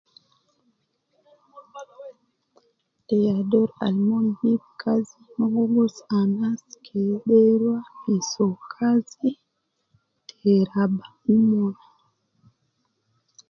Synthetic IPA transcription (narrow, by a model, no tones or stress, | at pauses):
ʔɛjadɔɾa̰lmɔnhib̚kʰazimɔŋɡɔɡɔsanaskʰɛɗɛɾwahisɔkʰazi | tʰɛɾaba | umɔna